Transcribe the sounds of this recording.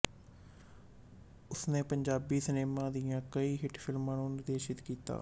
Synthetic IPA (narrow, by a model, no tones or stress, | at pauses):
ʊsnẽːpəɲd͡ʒaːbiːsəneːmãːd̪ɪjãːkəiːɦɪʈpʰɪlmãːnũːnɪɾd̪eːʃɪt̪kiːt̪a̰ː